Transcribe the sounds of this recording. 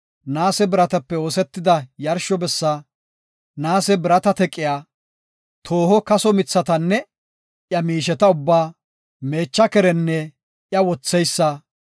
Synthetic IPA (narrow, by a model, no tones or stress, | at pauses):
naːsɛbɪɾɐt̪ɐpːɛoːsɛt̪ːɪd̪ɐjɐɾʃɔbɛsːɐ | naːsɛbɪɾɐt̪ɐt̪ɛkʼːɪjaː | t̪ʰo̞ːhɔkɐsɔmɪt͡sːɐt̪ɐnːɛ | ʔjɐmiːʃɛt̪ɐʊbːaː | me̞ːt͡ʃːɐkɛɾɛnːɛ | ʔjɐwɔt͡sːɛjsːɐ